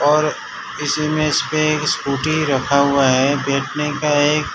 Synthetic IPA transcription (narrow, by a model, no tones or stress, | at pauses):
ɔːɾ | ɪsemeɪspeeːkskuːʈiɾɐkʰaɦʊaɦɛbɛːʈʰnekaeːk